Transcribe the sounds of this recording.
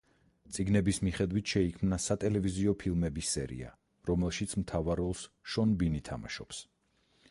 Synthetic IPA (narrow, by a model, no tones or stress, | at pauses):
t̪sʼiɡnɛbismiχɛd̪wit̪ʰʃɛikʰmnasat̪ʼɛlɛviziɔpʰilˠmɛbisɛ̰ɾḭa̰ | ɾɔmɛlˠʃit̪sʰmt̪ʰavaɾɔlˠsʃɔnbinit̪ʰa̰ma̰ʃɔps